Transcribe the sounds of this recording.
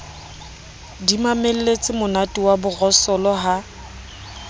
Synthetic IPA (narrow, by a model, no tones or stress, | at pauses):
dimamel̩let͡sʼɪmʊnatʼiwabʊɣɔsɔlɔɦa